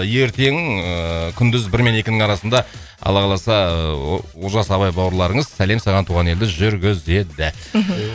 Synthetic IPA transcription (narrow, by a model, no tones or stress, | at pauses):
je̞ɾt̪e̞ŋ | kʲʰʏnd̪ɪzbɪɾme̞ne̞kʲɪnɪŋɑɾɑsənd̪ɑ | ɑ̰lˠɑʁɑlˠɑsɑ | woʒɑsɑbɑjbɑwəɾlˠɑɾəɴəzsæle̞msɑʁɑnt̪ʰuːʁɑne̞ld̪ɪʒʏɾɡʲɪze̞d̪ɪ